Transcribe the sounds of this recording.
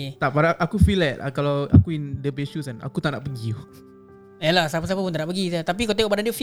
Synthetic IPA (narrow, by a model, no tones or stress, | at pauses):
t̪apaɾaʔakufilɛt̚a̰kalaa̰kuindəbesusana̰kut̪aʔnaʔpəɡiu | ɛlahsapasapap̬unt̪aʔnaʔpəɡitat̪ap̬ikat̪eŋoʔbadandiəf